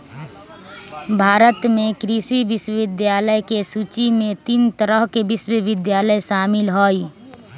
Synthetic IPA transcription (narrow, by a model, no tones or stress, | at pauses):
bʱaːɾət̪mẽkɾisiʋɪʃwəʋɪd̪jaːləjkesut͡ʃimẽt̪imt̪əɾəɦkeʋɪʃwəʋɪd̪jaːləjʃaːmɪlɦoːi